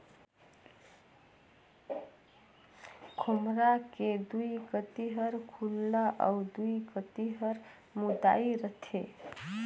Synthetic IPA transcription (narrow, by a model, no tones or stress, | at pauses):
kʰumɾaked̪uiɡət̪iɦəɾkʰulːaʔa̰d̪uikət̪iɦəɾ | mud̪a̰iɾət̪ʰe